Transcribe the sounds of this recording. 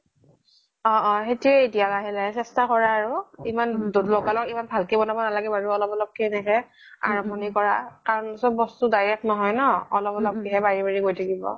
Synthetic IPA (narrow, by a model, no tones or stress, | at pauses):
ɔʔɔxetiɛetijakaɦilaɛsɛstakɔɹaːɹuimanlɔkalɔkimanbʱalkebɔnabɔnalaɡɛbaɹuɔlɔpɔlɔp̚kɛnɛkɛ | a̰ɹɔmɔnikɔɹakaɹɔnsɔbɔstudajɹɛknɔɦɔjnɔɔlɔpɔlɔp̚kiɦɛbaɹibaɹiɡojtʰakibɔ̰